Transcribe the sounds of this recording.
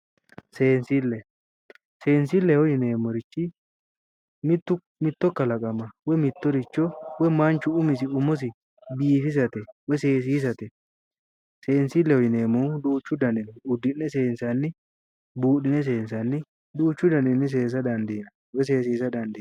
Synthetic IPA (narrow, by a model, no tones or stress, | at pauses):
seːnsilːɛ | se̞ːnsilːɛhɔjɪne̞ːmɔɾɪt͡ʃːɪ | mt̪ːʊ | mɪt̪ːɔkːɐlɐkʼɐmɐwɛmɪt̪ːɔɾɪt͡ʃːɔwɛmaːnt͡ʃʊʊmɪs̬ɪʊmɔs̬ɪ | biːfɪs̬ɐt̪ɛwɛseːs̬iːs̬ɐt̪ɛ | se̞ːnsiːlːɛhɔjɪneːmɔd̪uːt͡ʃːʊd̪ɐnɪnʊd̪ːɪnːɛse̞ːnsɐnːɪ | buːᶑɪnɛs̬e̞ːnsɐnːɪ | d̪uːt͡ʃːʊd̪ɐnɪnːɪs̬e̞ːs̬ɐd̪ɐnd̪iːnɐ | wɛs̬e̞ːsiːsɐd̪ɐnd̪ɪ